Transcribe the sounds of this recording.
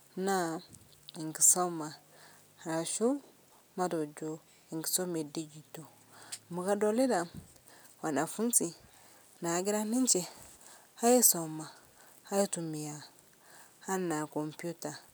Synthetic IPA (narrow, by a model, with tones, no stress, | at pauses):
na˦ | i˨ŋɡi˨so˦ma˨ | ha˨ʃu˦ | ma˦do˨d͡ʒu˦ | i˨ŋɡi̥˨so˦me˨di˦d͡ʒi˨to˨ | mu˨ka˦do˦li˦da˨ | wa˨na˨fu˦nsi˨ | na˨ɡi˦ɾa˦ni˦nt͡ʃe˨ | ha˦ji˦so˨ma˨ | ha˦ji˦tu˨mi˨ja˨ | ha˦na˨ko˨mpi˦u˦ta˨